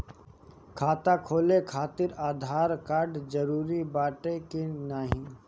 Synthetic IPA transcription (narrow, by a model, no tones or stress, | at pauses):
kʰaːt̪akʰoːlekʰaːt̪ɪɾaːd̪ʱaːɾkaːɾɖd͡ʒəɾuːɾibaːʈekenaːɦĩ